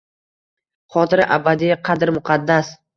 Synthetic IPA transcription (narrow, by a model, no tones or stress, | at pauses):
χɒt̪ɪɾɪʔabad̪ɪjaqʰɑd̪ɪɾmʊqʰɑd̪ːas